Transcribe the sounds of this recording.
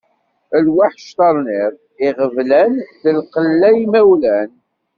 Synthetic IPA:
əlwaħʃt̪ɑɾˤnɪðˤ | ɪʁəvlænðəlqəlːæjimæwlæn

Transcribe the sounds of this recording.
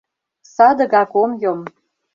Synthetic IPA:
sɑd̪ɤ̆ɣɑkomjom

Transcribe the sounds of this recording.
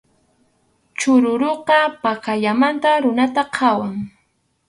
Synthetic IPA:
t͡ʃʊɾʊɾoqɑpakaʎamant̪aɾʊnat̪aqʰɑwaŋ

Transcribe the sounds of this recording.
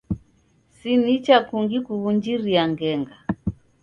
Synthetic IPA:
sinit͡ʃakuŋɡikuβuɲd͡ʒiɾiaŋɡɛŋɡa

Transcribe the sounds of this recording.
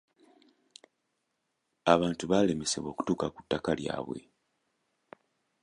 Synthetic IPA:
aβaːntuβale̞mese̞̰βwo̞ːku̥tuːkaku̥tːakalja̰ːβwe̞̰

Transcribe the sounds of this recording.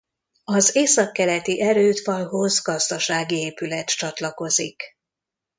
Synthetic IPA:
ɒzeːsɒkːɛlɛt̪iʔɛɾøːt̪fɒlɦo̞zɡɒzd̪ɒʃaːɡieːpylɛt̪t͡ʃɒt̪lɒko̞zik

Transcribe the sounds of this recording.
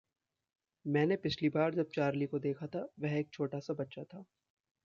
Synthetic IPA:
mɛ̃ːnepɪt͡ʃʰlibaːɾd͡ʒɐb̚t͡ʃaːɾlikod̪eːkʰat̪ʰaʋɛɦeːk̚t͡ʃʰoːʈasabɐtːʃat̪ʰaː

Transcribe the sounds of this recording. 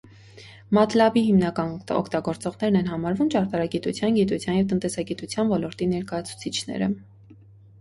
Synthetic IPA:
mɑt̪ʰlɑbihimnɑkɑnɔ̰kʰt̪ɑɡɔɾt͡sɔʁnɛɾnɛnɦɑmɑɾvumt͡ʃɑɾt̪ɑɾɑɡit̪ut͡sʰjɑnɡit̪ut͡sʰjɑnjɛvt̪ənt̪ɛsɑɡit̪ut͡sʰjɑnvɔlɔɾt̪inɛɾkɑjɑt͡sʰu̥t͡sʰit͡ʃʰnɛ̰ɾə̰

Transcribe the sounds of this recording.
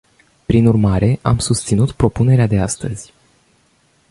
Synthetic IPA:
pɾinurmaɾe̞ʔamsust̪sinut̪pɾo̞pune̞ɾead̪e̞ast̪əz̥ʲ

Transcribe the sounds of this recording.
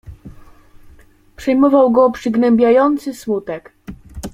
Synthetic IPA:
pʂɛjmɔvawɡɔpʂɘɡnɛmbʲjajɔnt̪sɘsmut̪ɛk

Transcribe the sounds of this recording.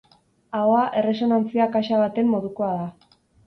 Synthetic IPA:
aoaʔe̞re̞so̞nant͡siakaʃaβ̞at̪e̞mːo̞ðuko̞aða

